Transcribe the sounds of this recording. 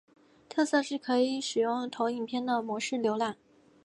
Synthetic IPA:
t̪ʰɤ˥˧sɤ˥˧ʂɻ̩˥˩kʰɤ˧˥i˧˥˩ʂɻ̩˨˩jʊ˥˩ŋt̪ʰo˧˥ʊi˨˩npʰjɛ˥˩nd̪ə˨˩mwɔ˧˥ʂɻ̩˥˩ljo˧˥ʊlja˥˩˦

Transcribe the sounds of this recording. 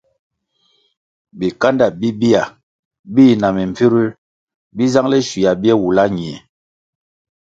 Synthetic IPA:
bi˨ka˦nda˦˨bi˦bi˦a˨ | bi˦na˨mi˨m˨fi˦ɾi˦ɾ | bi˦za˦ŋlɛ˦ʃwi˨a˨bi˦ɛ˦wu˨la˦ɲi˨ɛ˨

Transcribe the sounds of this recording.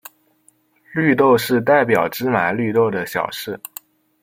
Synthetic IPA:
ly˥˧t̪o˥˧ʊʂɻ̩˥˧t̪̬a˥˩ɪp̬jɑ˨˩ʊʈ͡ʂɻ̩˥ma˨˩ɪly˥˧t̪o˥˩ʊd̪ə˩ɕjɑ̰˨˩ʊʂɻ̩˥˩

